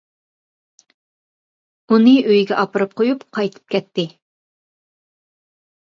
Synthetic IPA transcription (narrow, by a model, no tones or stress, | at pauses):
unɨøjɡʲɛʔɑpɨɾɨp̚qʰojupqʰɑjt̪ʰɨ̥p̚kʲɛt̪ːɪ